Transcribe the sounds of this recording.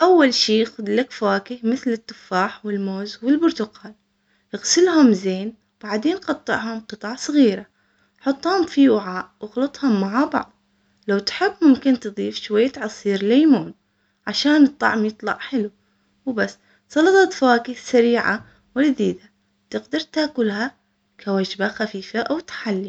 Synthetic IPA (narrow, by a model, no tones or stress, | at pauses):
ʔawːalʃiːxʊd̪lakfawaːkɪhmɪθlɪt̪ːʊfːaːħwɪlmoːzwɪlbʊɾt̪ʊqaːl | ʔɪɣsɪlhʊmzeːn | b̥aʕd̪eːnqɑt̪ˤːɨ̰ʕhʊmqɨt̪ˤɑʕsˤɣiːɾa | ħɑt̪ˤːhhʊmfiwɪʕaːʔwɪɣlɑt̪ˤhʊmːaʕabɑ̰ʕðˤ | lawt̪ħɪbːmʊmkɪnt̪ɨðˤiːfʃwajːat̪ʕɑsˤiːɾlaːmuːn | ʕaʃaːnɨt̪ˤːɑ̰ʕmjɨt̪ˤlɑ̰ʕħɪlu | wbasː | sˤɑlɑt̪ˤɑt̪fawaːkɪθsaɾiːʕa̰ | wɪld̪iːd̪a | t̪ɪɡd̪ɑɾˤt̪aːkʊlha | kʰawad͡ʒbaxafiːfaʔawt̪ḁħalːi